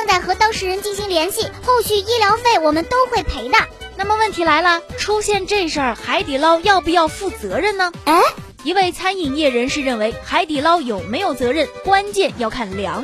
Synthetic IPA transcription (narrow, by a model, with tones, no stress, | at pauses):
ɑ˧ŋt͡sa˥˩ɪxɤ˧˥t̪ɑ˥ʊʂɻ̩˧˥ɻə˧˥nt͡ɕi˥˩nɕi˧˥ŋljɛ˧˥nɕi˥˩xo˥˧ʊɕy˥˩i˥ljɑ˧˥ʊfe˥˩ɪwɔ˨˩mə˦nt̪o˥ʊxwe˥˩ɪpʰe˧˥ɪd̪ə˧˩na˥˩mə˩wə˥˩nt̪ʰi˧˥la˧˥ɪlə˧ʈ͡ʂʰu˥ɕjɛ˥˧nʈ͡ʂɤ˥˧ʂə˞˥˩xa˧˥ɪt̪i˨˩lɑ˥ʊjɑ˥˧ʊp̬u˧jɑ˥˧ʊfu˥˩t͡sɤ˧˥ɻə˥˩nnə˩e˥˩ | i˧˥we˥˩ɪt͡sʰa˥ni˨˩ŋjɛ˥˩ɻə˧˥nʂɻ̩˥˧ɻə˥˩nwe˧˥ɪxa˧˥ɪt̪i˨˩lɑ˥ʊjo˨˩ʊme˧˥ɪjo˨˩ʊt͡sɤ˧˥ɻə˥˩nkwa˥nt͡ɕjɛ˥˧njɑ˥˧ʊkʰa˥˩nljɑ̰˧˥ŋ